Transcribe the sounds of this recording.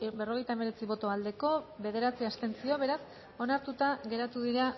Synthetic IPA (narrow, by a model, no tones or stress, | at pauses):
be̞ro̞ɣ̞e̞jt̪aeme̞ɾe̞t͡siβo̞t̪o̞ald̪e̞ko̞βe̞ð̞e̞ɾat͡siast̪e̞nt͡sio̞βe̞ɾas | o̞naɾt̪ut̪aɣe̞ɾat̪uðiɾa